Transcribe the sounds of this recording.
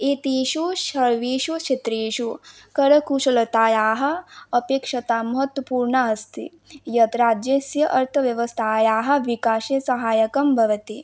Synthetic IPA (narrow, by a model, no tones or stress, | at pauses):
it̪iːʃuʃɐɭʋiːʃuʃʰet̪ɾeːʃu | kɐɾɐkuːʃɐlɐt̪aːjaːɦɐ̆ɐpeːkʂɐt̪aːmɐɦɐt̪wɐpuːɾɳaɦɐst̪ʰḭ | jɐt̪ɾaːd͡ʒjesjɐʔɐɾt̪ʰɐʋjɐʋɐst̪ʰaːjaːɦɐ̆ʋikaːʃesɐɦaːjɐkɐmbʱɐʋɐt̪i